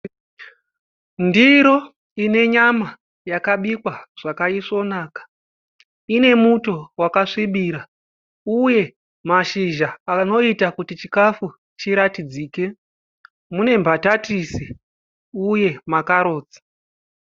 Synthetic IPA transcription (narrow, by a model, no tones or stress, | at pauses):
ndiɾo̞ | ine̞ɲama | jakaɓikwaʐ̥akaiʂo̞naːkḁ | ine̞muto̞wakaʂiɓiːɾa | uje̞ | maʃiʒaːno̞itakutit͡ʃikafu | t͡ʃiɾatid͡ziːke̞ | mune̞mbʱatatisi | uje̞makaɾo̞ːd͡zḁ